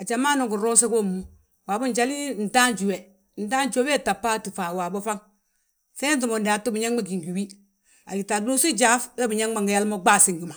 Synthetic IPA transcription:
a˨d͡ʒa˨maː˦no˨ɡu˨ɾo˦se˦ko˦˨mːu˦ | wa˨bu˦n˦d͡ʒa˦li˦˨n̩˨ta˦nd͡ʒu˨we˨ | n̩˨ta˦nt͡ʃo˦be˦˨ta˨pːa˦ti˨fa˨wa˨bo˦fa˦ŋ | fe˦t̬u˨mo˨ndi˨a˨tu˦bi˨ɲa˦ŋɡ͡ba˦ɡi˨ɡi˨wi˦ | a̰˨ɡi˨ta˨du˦si˦d͡ʒa˦fe˦bi˨ɲa˦ŋ˦a˨ŋɡi˨ja˦lmo˦ɡ͡ba˦˨si˨ŋɡi˨ma˨

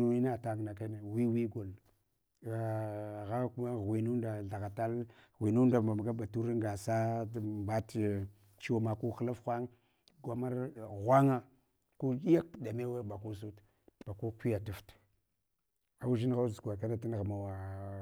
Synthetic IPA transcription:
u˨ni˦na˦˨ta˦ŋ˨na˨ka˦ne˨wi˦wi˦ɡo˨l | a˨ɣa˦ku˦ma˦˨ɣwi˨nu˦nda˨ɮa˨ɣa˨ta˦lɣʷi˨nu˦nda˨ma˨m˨ɡa˦ba˨tu˦ɾi˦ŋ˦ɡa˨sa˦ba˦t | t͡ʃi˦wa˦ma˨ku˦xla˦fxʷa˦ŋ | ɡʷa˨ma˦ɾɣʷa˦ŋa˦ | ku˦ɗi˦ja˦kda˨me˦wa˦ba˨ku˦s̬u˦t | b̥a˨ku˦kʷi˦ja˨tu˨ft | a˨wu˦ʒi˦n˦ɣa˦zɡʷa˨ka˦na˦ti˦n˨ɣa˨ma˨wa˨

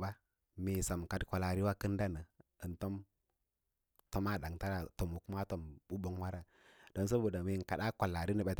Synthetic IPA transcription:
ba˦ | mi˨sa˨m˨ka˨dkʷa˨la˨ɾi˦wa˦kɨ˦nda˦nə˨ə˨nto˦m | to˦ma˦˨da˨ŋta˦ɾa˨to˨mu˨ku˦a˦to˨mbu˦bo˦ŋwa˦ɾa˦ | d̥o˨˦ns̬o˦bo˨da˨mi˨ka˨ɗa˦kʷa˨la˨ɾi˦nə˨ɓa˨˦t

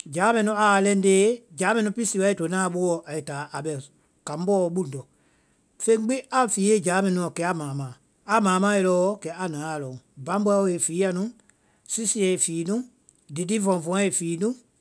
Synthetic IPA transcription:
d͡ʒaː˨˦mɛ̃˧˨nũ˧˦a˨lɛ̃˧n˦deː˦d͡ʒaː˨˦mɛ̃˧˨nĩũ˧pi˦si˨wa˧˦i˦˨to˨˦nãː˦˨˦ɓo˦wɔ˧˨ʔa˨i˨taː˨˦ʔa˨ɓɛ˧˨ | kã˨m˦bɔː˦˧ɓu˦n˨dɔ˨ | fẽ˦k͡pi˦ʔa˨fiː˨˦e˦˨d͡ʒaː˨˦mɛ̃˧nũ˧˨ɔ̃˨kɛ˨˦a˦mãː˨mãː˨ | a˨mãː˨˦mãː˨˦e˧lɔː˧˦kɛ˨˦a˨nãː˨˦a˨lɔ̃˨ũ˨bã˨˦bɔ˧˦o˧e˨fiː˨˦ja˧nũ˦ | si˦si˧ɛ˨fiː˨˦nũ˦ | di˨di˦vɔ̃˨vɔ̃˧˦e˨fiː˨˦nũ˦

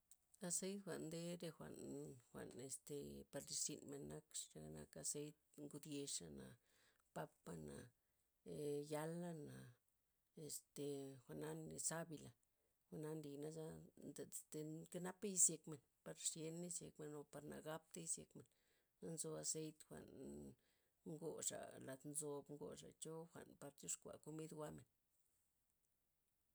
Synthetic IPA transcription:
a˧se˦jt̪xʷa̰˨nd̪e˦ɾe˧xʷa̰˨nxʷa̰˨ne˨st̪e˨pa˧ɾli˧ʃḭ˨nme˨nːa˦kʂɾe˧na̰˦ka˧se˦jt̪̚ŋɡu˧d̪je˧ʂa˨na̰˨ | pa˦pːa˦na̰˨ | ja˦lːa˦na˨ | e˨st̪e˨xʷa˨ʔna˦ne˨sa˦bi˧la˨ | xʷa˨na˦nli˨na˦za˦nd̪e˨t̪e˧ka˦na˦pa˦ji˧˦sje˧kme˨n | pa˧ɾʂje˧ni˦sje˧kme˨no˨pa˧ɾna̰˨ɡa˦p̚t̪a˦i˧˦sje˧kme˨n | a˦nzo˧a˧se˦jt̪xʷa̰˨n | ŋɡo˨ʂa̰˨la˨t̪nzo˧bŋɡo̰˨ʂa̰˨t͡ʃo˦xʷa̰˨npa˧bzu˦ʂkʷa̰˨ko˧mi˦d̪wa˦me˨n

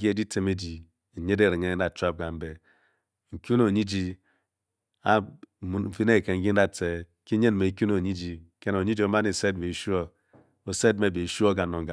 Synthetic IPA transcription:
ɡi˦e˦di˦tʰe˨me˦d͡ʒi˨ | e˦de˦˨ɾi˨ŋe˦n̩˦da˨t͡ʃʷa˦p̚ɡa˨m̩˦be˨ | ŋ̩˨kʲu˦no˨ɲi˦d͡ʒi˨ | a˦˨mu˨fi˦ne˦˨ke˨ŋ̩˦ɡi˦n̩˦a˦te˨ | ki˦ɲe˦n˨me˨˦kʲu˦no˨ɲi˦d͡ʒi˨ke˦n˨o˨ɲi˦d͡ʒi˨o˦ma˦ni˨se˦dme˨ʃu˦o˦ | o˨se˦d̚me˨be˨ʃu˦o˦ɡa˨no˨ŋ˨ɡa˨

